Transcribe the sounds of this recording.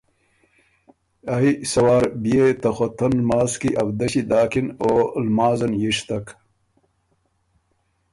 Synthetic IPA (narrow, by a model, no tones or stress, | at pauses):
ɐisɐwaːɾbijet̪ɐxot̪ʰɐnlmaːzkiʔɐbd̪ɐɕid̪aːkinoːlmaːzɐnjiʂt̪ɐk